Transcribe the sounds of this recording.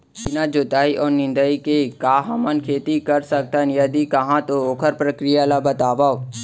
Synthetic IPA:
ɪnãd͡ʒoːt̪aːiʔɔːɾnɪ̃nd̪əikekaːɦɐmənkʰeːt̪ikəɾsək̚t̪ənjɐd̪ikɐɦãt̪ooːkʰəɾpɾəkɾijalabət̪aːʋaːo

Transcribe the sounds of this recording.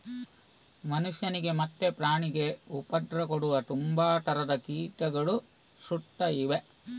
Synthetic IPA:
mɐnuʂjɐniɡe̞mɐt̪ːe̞pɾaːɳiɡe̞upɐd̪ɾɐkoɽuʋɐt̪umbaːt̪ɐɾɐd̪ɐkiːʈ̪ɐɡɐɭu | suʈːɐiʋe̞

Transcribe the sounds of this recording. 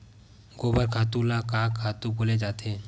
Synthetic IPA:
ɡobaɾkʰat̪ulakakʰːat̪uboled͡ʒat̪ʰe

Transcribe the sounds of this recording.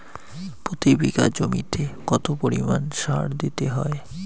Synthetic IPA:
pɾot̪ibiɡa̰d͡ʑomit̪ʰekɔt̪opoɾimanʃaɽd̪it̪eɦɔe

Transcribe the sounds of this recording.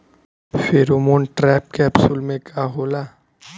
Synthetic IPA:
feɾomoːnʈɾɛːp̚keɐbsulmẽkaɦoːla

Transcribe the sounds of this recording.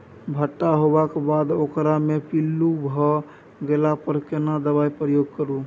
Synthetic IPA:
bʱəʈːaɦobakebad̪okɾamepilːubʱɔ | ɡelapəɾkenad̪əβaipɾəjoɡ̚kəɾu

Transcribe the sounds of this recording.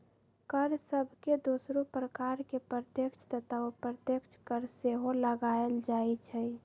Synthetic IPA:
kəɾsəbʱked̪osɾupɾəkaɾkepɾət̪jəkt͡ʃʰt̪ət̪ʰaopɾət̪jəkt͡ʃʰkəɾseɦoləɡaeld͡ʒait͡ʃʰɛ

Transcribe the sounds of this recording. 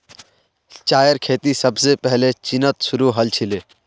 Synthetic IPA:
t͡ʃaːjəɾkʰeːt̪isəbsepɛɦlet͡ʃɪnət̪sʊɾuɦəlt͡ʃʰɪleː

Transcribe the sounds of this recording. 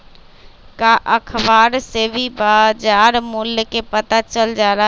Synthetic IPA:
kaʔəkʰbaːɾsebʱibaːd͡ʒaːɾmʊljkepət̪at͡ʃəld͡ʒaːɾa

